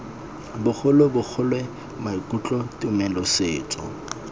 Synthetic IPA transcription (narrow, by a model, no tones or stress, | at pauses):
bʊk͡xʰʊlwebʊk͡xʰʊlwɛ | maikʼut͡ɬʼɔtʼɪʊmɛlɔseːt͡sʼɔ̰